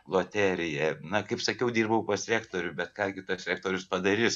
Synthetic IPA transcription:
lˠoːt̪ʲæːɾʲɪjɛnɐkɐɪpsɐkʲɛʊd̪ʲiːrbɐʊpɐsʲɾʲæːkt̪oːɾʲʊbʲɛt̪kɑːɡʲɪt̪ɐsʲɾʲæːk̚t̪oːɾʲʊspɐd̪ɐɾʲɪs

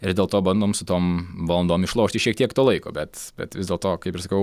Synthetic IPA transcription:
ɪɾd̪ʲeːlˠt̪oːbɐnd̪oːmsʊt̪oːmʋɐlˠɐnd̪oːmɪʃlˠoːʃt̪ʲɪʃʲiɛk̚t̪ʲiɛkt̪oːlˠɐɪko̰ːbʲɛt̪b̥ʲɛ̰t̪ʋʲɪzd̪ʲeːlˠt̪oːkɐɪpɪɾsɐkɐʊ

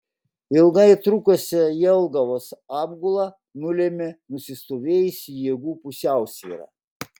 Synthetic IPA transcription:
ɪlˠɡɐɪt̪ɾʊkosʲɛjɛlˠɡɐʋoːsɑːbɡʊlˠɑ | nʊlʲeːmʲɪnʊsʲɪst̪oːʋʲeːjʊsʲjeɛɡuːpʊsʲæˑʊsʲʋʲḭːɾɑ̰ː

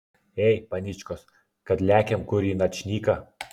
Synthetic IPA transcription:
ɛɪpɐnʲɪt͡ʃʲkɔs | kɐt̪lʲæːkʲɛmkʊɾʲiːnɐt̪ʲt͡ʃʲnʲiːkɐ

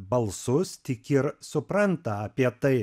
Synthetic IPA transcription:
bɐlˠsʊst̪ʲɪkɪɾsʊpɾɐnt̪ɐɐpʲiɛt̪ɐɪ

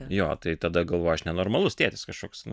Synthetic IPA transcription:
joːt̪ɐɪt̪ɐd̪ɐɡɐlˠʋoːjɐʃnʲɛnoːrmɐlˠʊst̪ʲeːt̪ʲɪskɐʃkoːksnʊ

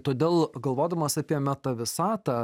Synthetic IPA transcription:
t̪oːd̪ʲeːlˠɡɐlˠʋoːd̪ɐmɐsɑpʲiɛmʲɛt̪ɐʋʲɪsɑːt̪ɑ

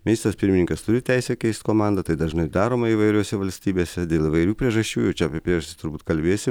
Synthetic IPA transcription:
mʲɪnʲɪst̪ɾɐspʲɪɾʲmʲɪnʲɪŋkɐst̪ʊɾʲɪt̪ʲæɪsʲɛkʲɛɪsʲt̪ʲkoːmɑˑnd̪ɐt̪ɐɪd̪ɐʒnɐɪd̪ɑːɾoːmɐiːʋɐɪɾʲoːsʲɛʋɐlʲsʲt̪ʲiːbʲeːsʲɛd̪ʲeːlˠɪʋɐɪɾʲuːpʲɾʲiɛʒɐʃʲt͡ʃʲuːjɛʊt͡ʃʲɛɐpʲɪɛpʲɾʲiɛʒɐst̪ʲɪ̥t̪ʊɾbuːt̪kɐlʲbʲeːsʲɪm

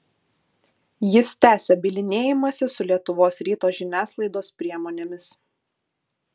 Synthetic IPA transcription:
jɪst̪ʲæːsʲɛbʲɪlʲɪnʲeːjɪmɐsʲɪsʊlʲiɛt̪ʊʋoːsɾʲiːt̪oːʒʲɪnʲæːslˠɐɪd̪oːspʲɾʲiɛmoːnʲeːmʲɪs

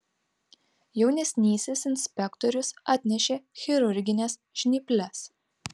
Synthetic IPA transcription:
jɛʊnʲɛsʲnʲiːsʲɪsɪnʲsʲpʲɛkt̪ɔɾʲʊsɑːt̪ʲnʲɛʃʲeːxʲɛɾʊɾʲɡʲɪnʲɛsʒʲnʲɪpʲlʲɛs

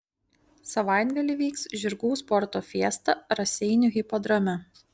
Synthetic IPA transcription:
sɐʋɑˑɪd̪ɡɐlʲɪˑʋʲiːksʒʲɪɾɡuːspɔɾt̪oːfʲiɛst̪ɐɾɐsʲɛɪnʲʊɣʲɪpɔd̪ɾɐmʲɛ

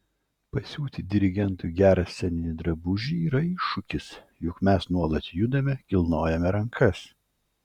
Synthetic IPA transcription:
pɐsʲuːt̪ʲɪd̪ʲɪɾʲɪɡʲɛnˑt̪uɡʲæːɾɐsʲsʲɛnʲɪnʲɪd̪ɾɐbʊʒʲiiːɾɐiʃʊkʲɪs | jʊkmʲɛsnuɔlˠɐt̪jʊd̪ɐmʲɛkʲɪlˠnoːjɛmʲɛɾɐŋkʰɐs

